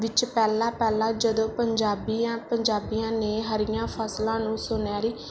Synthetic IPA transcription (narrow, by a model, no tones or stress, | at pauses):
ʋɪt͡ʃpɛːlãːpɛːlãːd͡ʒəd̪õːpəɲd͡ʒaːbiːãːpəɲd͡ʒaːbijãːneːɦəɾɪjãːpʰəslãːnũːsʊnaːɾiː